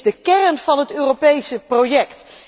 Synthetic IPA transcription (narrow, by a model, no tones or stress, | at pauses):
dəkɛrənv̥ɑnɦətøːropejsəprowjɛkt